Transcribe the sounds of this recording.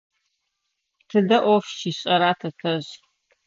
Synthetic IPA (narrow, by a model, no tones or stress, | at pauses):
tʰɨdɐʔʷɔfʃʰiɕʼɐɾaːtʰɐtʰɐʑ